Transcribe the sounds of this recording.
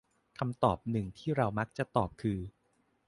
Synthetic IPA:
kʰa˧mt̪ɔː˨˩p̚nɯ˨˩ŋt̪ʰiː˥˩ɾa˧wma˦˥k̚t͡ɕa˨˩t̪ɔː˨˩p̚kʰɯː˧

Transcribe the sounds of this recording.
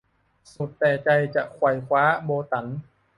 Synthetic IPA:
su˨˩t̪ːɛː˨˩t͡ɕa˧jt͡ɕa˨˩ʔkʰwa˨˧˩jkʰwaː˦˥boː˧t̪a˩˦n

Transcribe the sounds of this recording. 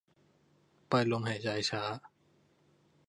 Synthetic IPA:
pa˧jlo˧mha˨˩jt͡ɕaː˧jt͡ɕʰaː˦˥

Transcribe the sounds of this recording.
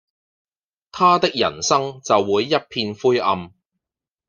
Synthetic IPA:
t̪ʰaː˥t̪ɪ˥k̚jɐ̰˨˩nsɐ˥ŋt͡sɐ˨wːuː˨˧jːɐ˥t̚pʰiː˧nfuː˥jʔɐ̰˧m

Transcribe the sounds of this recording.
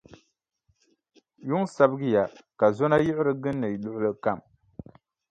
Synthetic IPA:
ju˦ŋsa˦bɨ˦ɡɨ˦ja˨ka˨zɔ˦na˦jɪ˦ɪ˦ɾɨ˦ɡɨ˦nːɨ˨lʊ˦ʔʊ˦lɨ˦ka˦˨m

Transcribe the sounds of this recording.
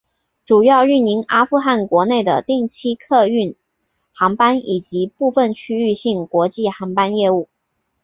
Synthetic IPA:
ʈ͡ʂu˨˩jɑ˥˧ʊy˥˩ni˧˥ŋa˥fu˥˧xa˥˩nkwɔ˧˥ne˥˩ɪd̪ə̰˩t̪i˥˩ŋt͡ɕʰi˥kʰɤ˥˧y˥˩n | xɑ˧˥ŋpa˥ni˨˩t͡ɕi˧˥pu˥˧fə˥˩nt͡ɕʰy˥y˥˧ɕi˥˩ŋkwɔ˧˥t͡ɕi˥˩xɑ˧˥ŋpa˥njɛ˥˧u˥˩

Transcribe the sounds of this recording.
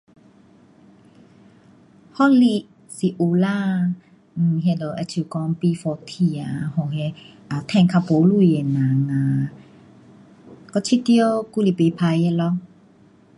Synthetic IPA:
hɔ˦˨li˧˨ʔ | si˨ʔu˧˨la˦˧˨ | ɦe˧lə˨ʔa˧t͡ɕʰu˧˨˩kɔ˧ŋpi˧fɔ˧t̪ʰi˧˩a˨hɔ˨ɦe˧ | a˨t̪ʰɛ̃˧˨ŋkʰa˧po˨˦lu˧˨e˨nã˨˩ŋa˨ | kɔ˧˦t͡ɕʰi˦t̪jo˦ku˦˨li˨pe˧pʰa˧je˧lɔ˧˦

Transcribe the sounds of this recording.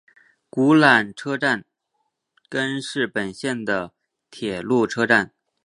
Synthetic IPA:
ku˧˥la˨˩nʈ͡ʂʰɤ˥ʈ͡ʂa˥˩n | kə˥nʂɻ̩˥˩pə˨˩nɕjɛ˥˩nd̪ə˩ | t̪ʰjɛ˨˩lu˥˩ʈ͡ʂʰɤ˥ʈ͡ʂa˥˩n

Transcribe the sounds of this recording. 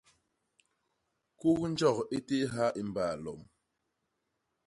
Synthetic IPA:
ku˦kn̩˦d͡ʒɔ˦˨ke˦te˦ɦa˦ʔi˦m˨baː˨lɔ˨m

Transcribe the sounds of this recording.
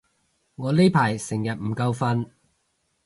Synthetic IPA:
ŋɔː˨˧le˥jpʰaː˨˩jsɪ˨˩ŋjɐ˨t̚m̩˨˩kɐ˧wfɐ˧n

